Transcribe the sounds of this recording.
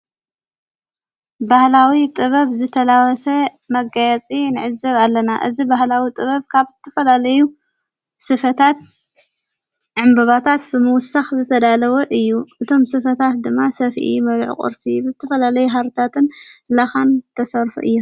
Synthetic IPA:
bahlawit̪ʼɨβɐβzɨt̪ʰɐlawɔsɐ | mɐɡajɛt͡sʼinɨʕɨzɐβalːɐnaʔɨ̰zibahlawit̪ʼɨβɐβkʰaβz̥ɨt̪ʰːɐfɐlalɐju | sɨfɐt̪ʰat̪̚ | ʕɨmbɐβat̪ʰat̪̚bɨmɨwʊsaxzɨt̪ʰɐd̪alɐwɐʔɨjːuʔɨt̪ʰo̞msɨfɐt̪ʰat̪̚d̪ɨmːasɐfʔḭmɐd̪ʕṵkʼɨ̰ɾsɨbɨzɨt̪ʰɐfɐlalɐjuɦaɾt̪ʰat̪ɨnlaxant̪ʰɐsɐɾfṵʔɨ̰jːu

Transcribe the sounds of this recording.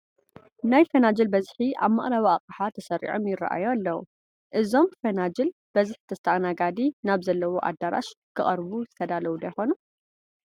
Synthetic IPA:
najfɐnad͡ʒɐlbɐzħiʔa̰βmaχʼlawiaqʼħat̪ʰɐsɐɾʔḭʕo̞mjɪrːa̰ʔa̰joalːɐwṵ | ʔɨzo̞mfɐnad͡ʒɨl | b̥ɐzɨħt̪ʰɐɨt̪ʰɐʔanaɡad̪inaβzɐlːɐwoʔa̰d̪ːaɾa̰ʃkʰɨχʼɐɾβuzɨt̪ʰɐd̪alɐwud̪ɐjxo̞nu

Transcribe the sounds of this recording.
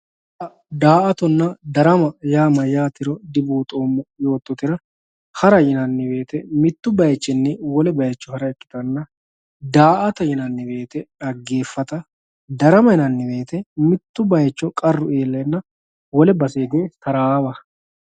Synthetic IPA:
ɐ | d̪aːʔɐt̪ɔnːɐd̪ɐɾɐmɐjaːmɐjaːt̪ɪɾɔd̪ɪbuːt̪ʼoːmːɐjo̞ːt̪ːɔt̪ɪɾɐ | hɐɾɐjɪnɐnːɪbe̞ːt̪ɛmɪt̪ːʊbɐjt͡ʃːɪnːɪwɔlɛbɐjɛt͡ʃːɔhɐɾɐɛkːɪ̥t̪ɐnːɐ | d̪aːʔɐt̪ɐjɪnɐnːɪbe̞ːt̪ɛɐɡːe̞ːfːɐt̪ɐ | d̪ɐɾɐmɐjɪnɐnːɪbe̞ːt̪ɛmɪt̪ːʊbɐjɛt͡ʃːɔkʼɐrːʊeːlːɐnːɐ | wɔlɛbɐseːɡe̞ːtɐɾaːbɐ

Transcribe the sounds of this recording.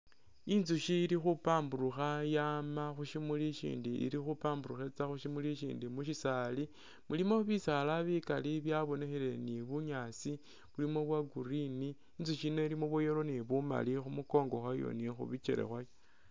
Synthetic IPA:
inzuʃiːɾixupaːmbuɾuxajamaxuʃimuliʃḭːndiʔḭɾixupaːmbuɾuxet͡saxuʃimuliʃḭːndimuʃisali | mulimo̞βisalaβikaliβjaβo̞ne̞xele̞niβuɲaːt͡si | βulimo̞βwaɡuɾiniː | nzuʃino̞ilimoβujeɾo̞niβuma̰lixumuko̞ːŋɡo̞xajo̞̰nixṵβit͡ʃḛɾe̞̰xwajo

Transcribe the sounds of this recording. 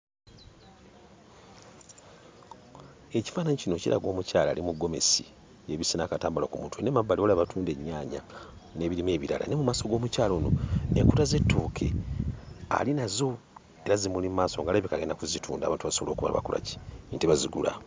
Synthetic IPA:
e̞ci̥faːnaɲicino̞cḭɾa̰ɡo̞ːmucaːla̰ːlimuɡːo̞me̞̰si | eβisinakataːmbulokumutuwenemabːaliolaβatuːnde̞ɲːaːɲane̞ːβiɾimwe̞ːβiɾala̰nemumaːso̞ɡo̞ːmucaːlo̞ːno̞̰neːŋkutaze̞tːuːkʰe̞̰ | a̰linazo̞ | eɾazimulimmaːso̞ŋɡaleβikaɡenakuzitʰuːnda̰ːβaːntuβasoolo̞ːkuβa̰la̰βa̰kula̰ci̥nteβaziɡṵla̰

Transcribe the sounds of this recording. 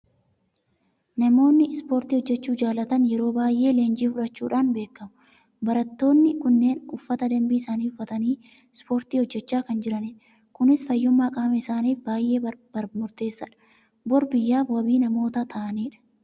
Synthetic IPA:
nɐmo̞ːnːɪspo̞ːɾt̪iːhɔd͡ʒːɛt͡ʃːuːd͡ʒaːlɐt̪ɐnjɛɾo̞ːbaːjʔe̞ːle̞ːnd͡ʒiːfʊᶑɐt͡ʃːuːᶑaːnbe̞ːkːɐmʊ | bɐɾɐt̪ːo̞ːnːɪkʊnːe̞ːnʊfːɐt̪ɐd̪ɐmbiːɪsaːniːʊfːɐt̪ɐniː | spo̞ːɾt̪iːhɔd͡ʒːɛt͡ʃːaːkɐnd͡ʒɪɾɐniᶑɐ | kʊnɪsfɐjːʊmːaːkʼɐmɛɪsaːniːfbaːjʔe̞ːbɐɾmʊɾt̪e̞ːsːɐᶑɐ̥ | bɔɾbɪjːaːfwɐbiːnɐmo̞ːt̪at̪ʰɐːʔɐniːᶑɐ̥

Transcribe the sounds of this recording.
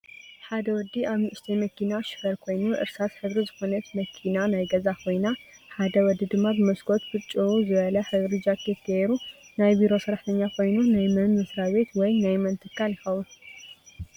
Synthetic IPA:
ħad̪ɐwɔd̪ːiʔaβmɨʔʃt̪ʰɐjmɐkʰinaʃɨ̥fɐɾkʰo̞jnuʔɨ̰ɾsat̪ħɨβɾizɨxo̞nɐt̪mɐkʰinanajɡɐzakʰo̞jna | ħad̪ɐwɔd̪ːid̪ɨmːabɨmɐsɡo̞t̪̚bɨt͡ʃʼːuuzɨβɐlɐħɨβɾid͡ʒakʰet̪kɐeɾunajbiɾo̞sɨɾaħt̪ʰɐɲːakʰo̞jnunajmɐnmɨsɾaβe̞t̪wɔjnajmɐnt̪ʰɨkʰːaljɪxɐwun

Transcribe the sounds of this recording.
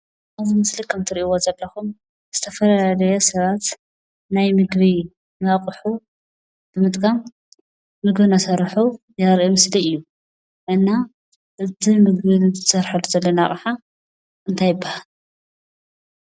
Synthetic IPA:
ʔazimɨslikʰɐmt̪ʰɨɾiʔiwozɐlːɐxum | z̥ɨt̪ʰɐfɐlajalɐjosɐβat̪ | najmɨɡβi | naqʼħu | b̥ɨmɨt̪ʼɡam | mɨɡβɨnasɐɾħuzaɾemɨsliɨjːu | ʔɨnːa | ʔɨt̪ʰimɨɡβit̪ʰsɐɾħalːuzɐlːɐnaχʼħa | ʔɨnt̪ʰajɨbːahal

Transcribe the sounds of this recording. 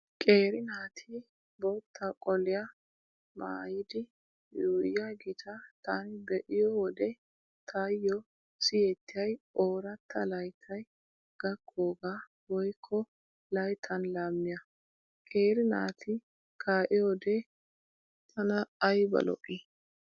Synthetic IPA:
kʼeːɾɪnaːt̪ʰɪ | boːt̪ʰːɐkʼɔlɪjɐ | ma̰ːjɪd̪ɪ | juːjːɐɡɪt̪ʰɐt̪aːnɪb̪ɛʔɪjɔwɔd̪ɛ | t̪ʰajːɔ | sɪjɛt̪ːɪjɐjoːɾɐt̪ʰːɐlɐjt̪ʰɐj | ɡ̥ɐkʰʼːoːɡaː | wɔjkʰːɔ | lɐjt̪ʰɐnlaːmːɪjɐ | kʼe̞ːɾɪna̰ːt̪ʰɪ | kʰaːʔɪjɔd̪ɛ | t̪ʰɐnɐːjbɐ̰lɔ̰ʔɪ

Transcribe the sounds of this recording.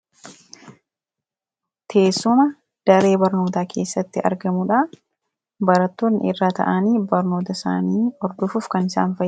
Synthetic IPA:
t̪ʰe̞ːsːʊmɐ | d̪̥ɐɾe̞ːbɐɾnoːt̪aːkʰe̞̰ːsːɐt̪ːɪʔɐ̰ɾɡɐmʊᶑaː | bɐɾɐt̪ːoːnːɪrːaːt̪ɐ̰ʔɐniːbɐɾno̞ːt̪ɐsa̰ːniːɔɾd̪ʊfufkɐnɪsa̰ːnfɐ

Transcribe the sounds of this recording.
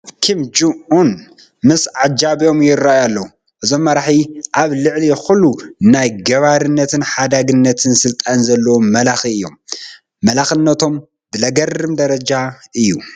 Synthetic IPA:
kʰɨmd͡ʒuʔun | mɨsʕad͡ʒaβjo̞mjɪɾːajalːɐwu | ʔɨzo̞mːɐɾaħiʔaβlɨʕlixulːunajɡɐβaɾɨnːɐt̪ʰɨnħad̪aɡɨnːɐt̪ʰɨnsɨlt̪ʼanzɐlːɐwumɐlaxiɨjːomː | ɐlaxɨnːɐt̪ʰo̞m | bɨlɐɡɐrːɨmd̪ɐɾɐd͡ʒaʔɨjːu

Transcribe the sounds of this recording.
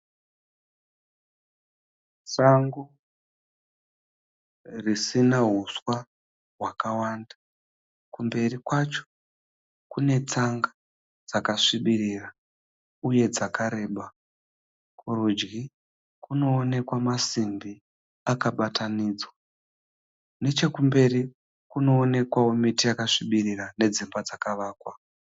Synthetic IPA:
saŋɡu | risinaɦuswa | ɦwakawaːnda | kumbe̞rikwat͡ʃo̥ | kune̞t͡saŋɡa | d͡zakaʂiɓiriːra | uje̞d͡zakʰaɾe̞ːɓa | kʰuɾud͡ʒɡi | kuno̞ːne̞kwamasimbi | akaɓatʰaniːd͡zwa | ne̞t͡ʃe̞kumbe̞ri | kuno̞ːne̞kwawomitijakaʂiɓirirane̞d͡zimbad͡zakaʋaːkwa

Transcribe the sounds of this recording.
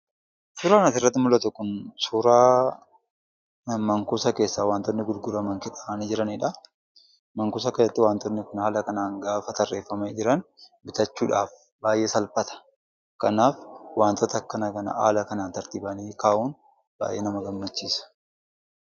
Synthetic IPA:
suːɾaːnɐt̪ɪrːɐt̪ːɪmʊlɐt̪ʊkːʊnsuːɾaː | mɐŋkʊsɐke̞ːsːaːwaːnt̪ɔnːɪɡʊlɡʊɾɐmɐŋkɪᶑʼaʔnd͡ʒɪɾɐnɪᶑɐ | mɐŋkʊs̬ɐkɐjɐt̪ːɪwaːnt̪ɔnːɪkʊnaːlɐkɐnaːŋɡaːfɐt̪ɐrːeːfːɐmɐd͡ʒɪɾɐn | bɪt̪ɐt͡ʃːuːᶑaːf | baːjʔe̞ːsɐlfɐt̪ɐ̥ | kɐnaːfwaːnt̪ɔt̪ɐkːɐnɐkɐnɐ̰ʔa̰ːlɐkɐnaːnt̪ɐɾt̪iːbɐniːkaːʔuːn | b̥a̰ːjʔeːnɐmɐɡɐmːɐt͡ʃːiːsɐ̥

